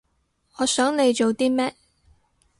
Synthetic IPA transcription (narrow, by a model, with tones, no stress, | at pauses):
ɔː˨˧sœː˨˥ŋne˨˧jt͡ʃo˨wt̪iː˥mɛː˥t̚